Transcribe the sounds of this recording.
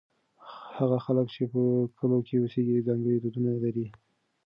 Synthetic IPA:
haɣaxaləkt͡ʃepəkʰəlokʰeuseɡid͡zɑŋɡəɽid̪ud̪unalaɾi

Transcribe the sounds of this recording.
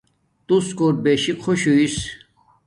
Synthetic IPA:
t̪uskoːɾ̚beɕikʰoɕuis

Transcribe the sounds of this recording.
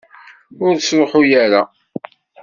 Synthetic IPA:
ʊɾsɾoħʊjæɾa

